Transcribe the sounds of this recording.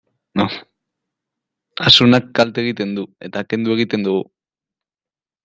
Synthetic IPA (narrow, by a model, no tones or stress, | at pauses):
asunakːalt̪eɣ̞it̪e̞nd̪ue̞t̪aːke̞nd̪ue̞ɣ̞it̪e̞nd̪uɣu